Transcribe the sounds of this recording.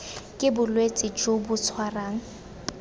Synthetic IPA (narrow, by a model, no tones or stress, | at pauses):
kʼɪbʊlwet͡sʼɪt͡ʃʼʊbʊt͡sʰwaraːŋ̩